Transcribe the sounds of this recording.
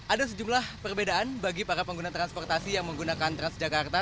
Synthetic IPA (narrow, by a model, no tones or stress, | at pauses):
adas̬əd͡ʒumlahpərbedaʔanbaɡipaɾapəŋɡunat̪ɾanspɔrt̪asijaŋməŋɡunakant̪ɾansd͡ʒakart̪a